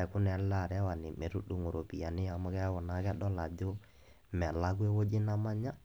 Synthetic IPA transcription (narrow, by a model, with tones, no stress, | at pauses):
ɛ˨kʊ˦nɛ˨la˦˨ɾɛ˦wa˨nɪ˨me˨ɾu˦ɗu˨ŋo˨ɾo˨pi˨ja˨nɪ˦ja˨mʊ˦kɛ˦wɔ˨na˦kɛ˦ɗɔ˦la˨d͡ʒo˦ | mɛ˨la˦ɡ̬u˦e˦wo˦d͡ʒɪ˦na˦ma˦ɲa˦